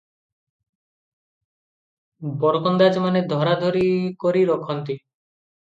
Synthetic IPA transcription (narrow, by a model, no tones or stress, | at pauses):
bɔɾkɔnd̪ad͡ʒmaned̪ʱɔɾad̪ʱoɾikoɾiɾɔkʰɔnt̪i